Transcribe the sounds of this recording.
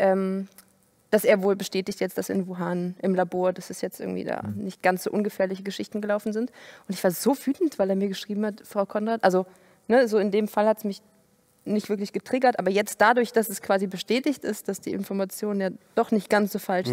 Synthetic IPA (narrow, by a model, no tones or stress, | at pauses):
ʔɛːm | d̥asʔeːɐvoːlbəʃtɛːtɪçtjɛt͡std̥asɪ̰nvuɦaːnʔɪmlaboːɐdasɛsjɛt͡stɪɐɡŋ̩tv̥ḭːda̰ːnɪçt̚ɡ̥ant͡sz̥o̰ːʔʊnɡəfɛːɐlɪçəɡəʃɪçtn̩ɡəlaʊfn̩zɪntʔʊntɪçv̥aːɐzoːvyːtn̩tv̥aɪleːɐmiːɐɡəʃʁ̥iːbm̩hatfʁ̥aʊkʰɔnʁaːtʔalzo | nəzoːɪndeːmfalhatsmɪç | nɪçtv̥ɪɐk̬lɪçɡ̥ətʁ̥ɪɡɐtʔaːbɐjɛt͡st̚d̥adʊɐçd̥asɛskv̥aːzibəʃtɛːtɪçtɪst̚d̥asd̥ḭːʔɪnfɔɐmat͡sjoːnənjaːd̥ɔχnɪçt̚ɡ̥ant͡sz̥oːfalʃ